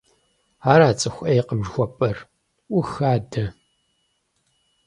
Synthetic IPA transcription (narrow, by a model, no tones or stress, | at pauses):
aːɾaːt͡sʼɨxʷʔejqəmʒxʷɔpʼɐr | ʔʷʊxaːdɐ